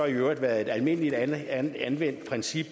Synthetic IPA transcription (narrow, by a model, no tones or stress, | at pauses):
ɒiøʊɐd̥ʋæːɐð̩ˠe̝d̥ælme̝n̰əlid̥ænʋen̰d̥pʰʁɛnsib̥